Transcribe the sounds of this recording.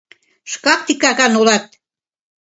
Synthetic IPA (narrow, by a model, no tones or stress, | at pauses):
ʃkɑk̚t̪ikɑɣɑnulɑt̪̚